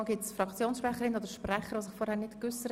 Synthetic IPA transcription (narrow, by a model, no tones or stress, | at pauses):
lɡɪtsfɾɑkt͡sjoːnsʃpɾɛχəɾɪnoːdəɾʃprɛχəɾʋoːsɪχfɔɾhæːɾnɪtkʏsəɾ